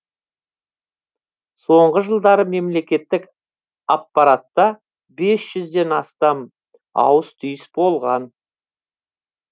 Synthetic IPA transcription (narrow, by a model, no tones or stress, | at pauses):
so̞ɴʁəʒəlˠd̪ɑɾəme̞mle̞kʲe̞t̪ːɪk | ɑpːɑɾat̪ːɑ | be̞sʒ̥ʏzd̪e̞nɑst̪ɑm | ɑ̰wəst̪ʰʏjɪsbo̞lˠʁɑn